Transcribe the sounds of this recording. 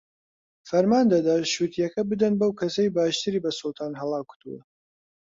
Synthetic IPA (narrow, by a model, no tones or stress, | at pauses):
fɐɾmaːnd̪ɐd̪aʃuːt̪ʰijɐkɐbɨd̪ɐnbɐwkʰɐsɐjbaːʃt̪ɨɾiːbɐsʊlˠt̪ʰaːnɦɐlˠɑːkʰu̥t̪uwɐ̰